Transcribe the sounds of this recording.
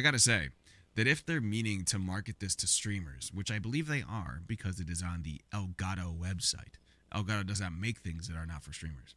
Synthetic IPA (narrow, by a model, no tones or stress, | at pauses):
aɪɡɑɾɨseɪ | ðɨɾɨfðə˞mĩnɪ̃ŋtʰɨmɑɹkɨt̪̚ðɪstʰɨstɹ̥ĩmə̰˞z̥wɨt͡ʃaɪbəlivðeɪʔə̰˞bɨkʰʌzɨɾɨzn̩ðḭʔɛlˠɡɑɾoʊwɛbsa̰ɪt | ʔɛ̰lˠɡɑɾoʊdʌznət̚meɪk̚θɪ̃ŋzðɨɾə˞nətfə˞stɹ̥ĩmə̰˞z̥